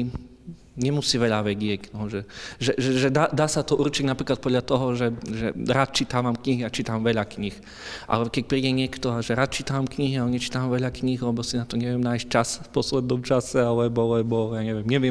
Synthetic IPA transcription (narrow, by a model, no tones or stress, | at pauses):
ɲɛmusiːʋɛʎaʋɛɟɪɛɟnɔʒɛʒɛʒɛʒɛd̪aːd̪aːsat̪ɔʔurt͡ʃiɟnapɾiːklat̪̚pɔd̪ʎat̪ɔɦɔʒɛʒɛɾaːt̪̚t͡ʃit̪aːʋamkɲiɦiat͡ʃiːt̪amʋɛʎakɲix | ʔa̰lɛkɛc̚pɾiːɟɛɲɪɛkt̪ɔaʒɛɾaːt̪̚t͡ʃiːt̪aʋamkɲiɦiaɛɲɛt͡ʃi̥ːt̪aʋamʋɛʎakɲixlɛbɔsinat̪ɔɲɛʋɪɛmnaːjsc̚t͡ʃasfpɔslɛd̪̚nɔmt͡ʃasɛalɛbɔlɛbɔjaːɲɛʋɪɛmɲɛʋɪɛ